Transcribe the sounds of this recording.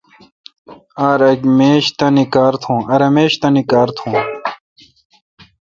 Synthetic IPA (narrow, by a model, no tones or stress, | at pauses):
aːɾɐɡmeːɕt̪ɐ̃nikaːɾt̪ʰũːɐɾɐmeːɕt̪ɐ̃nikaːɾt̪ʰũː